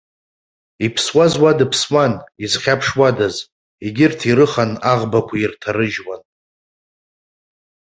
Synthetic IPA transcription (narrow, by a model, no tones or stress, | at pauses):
ipʰswazwadɨpʰswanizχʲapʰʂwadaz | eɡʲɪrtʰiɾɨχanaʁbakʷʰairtʰaɾɨʒwan